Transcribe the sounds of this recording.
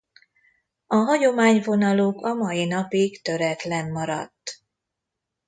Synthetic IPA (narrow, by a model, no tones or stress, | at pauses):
ɒɦɒɟo̞maːɲvo̞nɒloːkɒmɒjin̪ɒpikt̪ø̞ɾɛt̪lɛmːɒɾɒ̰t̪ː